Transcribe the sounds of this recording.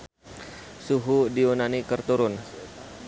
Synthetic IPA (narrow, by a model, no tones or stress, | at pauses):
suɦudiunanikərt̪uɾʊn